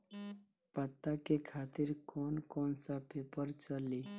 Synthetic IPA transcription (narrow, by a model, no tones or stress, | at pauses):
pət̪ːakekʰaːt̪ɪɾkɔːnkɔːnsapʰepəɾt͡ʃəli